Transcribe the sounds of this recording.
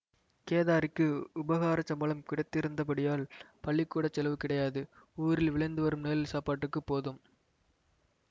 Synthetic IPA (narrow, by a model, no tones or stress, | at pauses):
keːðaːɾɪkːɯʊbɐɣaːɾɐt͡ʃɐmbɐɭɐmkɪɽɐɪt̪ːɪɾɯnd̪ɐp̬ɐɽɪjaːlpɐɭːɪkːuːɽɐt͡ʃːɛlɐʋɯkɪɽɐjaːðɯuːɾɪlʋɪɭɐɪnd̪ɯʋɐɾɯmneːlɪlsaːpaːʈːɯkːɯpːoːðɯm